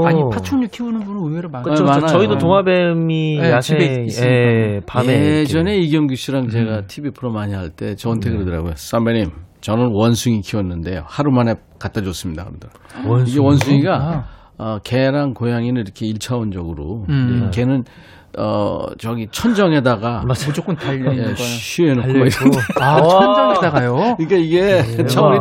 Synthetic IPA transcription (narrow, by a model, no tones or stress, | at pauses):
ipʰat͡ɕʰoɲukʰiunɯnbunɯnumeɾɯmamanaʌidooŋabemiiiiiapajed͡ʑʌne̞iɡjʌŋɡuɕʰiɾaŋt͡ɕe̞ɡatʰibipʰɯɾomaɲihaɭt͈e̞t͡ɕʌntʰeɡɯɾɯdɯɾa̰ɡojos͈ambenimt͡ɕʌnɯnwʌnsʰuŋikʰiwʌnːɯnde̞jo̰haɾumane̞ | kat͈ad͡ʑʌs͈ɯmɲida̰kɯɾʌdɯɾaoiɡe̞wʌnsʰuŋiɡa | ʌke̞ɾaŋkojaŋinɯniɾʌkʰe̞iɭt͡ɕʰaond͡ʑʌɡɯɾokʰe̞nɯn | ʌ̰t͡ɕʌɡit͡ɕʰʌnd͡ʑʌŋɦe̞daɡat͡ɕok͈ɯajeɕʰienokoiɾ | ʌnd͡ʑʌedaɡajoiɲik͈aiɡe̞t͡ɕʰʌɾi